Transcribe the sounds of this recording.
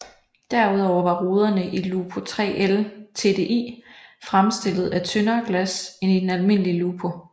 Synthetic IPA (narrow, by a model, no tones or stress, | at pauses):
d̥æɐ̰uð̞̰ˠɒʊ̰ɐʋɑ̈ʁuːð̞ˠɐnəʔiluːpʰo̝t͡sʰʁɛ̰ːʔelt͡sʰe̝̰d̥e̝ːʔḭːfʁamsd̥e̝lð̞̩ˠæt͡sʰønɐːɡ̥læse̝nid̥enælme̝n̰əliluːpʰo̝